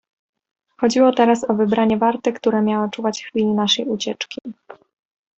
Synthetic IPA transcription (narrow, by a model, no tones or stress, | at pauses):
xɔd͡ʑiwɔt̪ɛɾasɔvɘbɾaɲɛvaɾt̪ɘkt̪uɾɛmʲjawat͡ʂuvat͡ɕxfʲilʲinaʂɛjut͡ɕɛt͡ʂkʲi